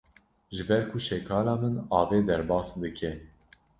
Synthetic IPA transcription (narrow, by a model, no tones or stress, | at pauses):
ʒɨbɛɾkʰuʃɛkʰɑːlɑːmɨnɑːveːd̪ɛɾbɑːsd̪ɨkʰɛ